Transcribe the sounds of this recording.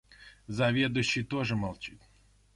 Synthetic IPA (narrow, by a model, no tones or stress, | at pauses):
zɐvʲed̪ʊɕːijt̪oʐɨmɐlˠt͡ʃit̪ʲ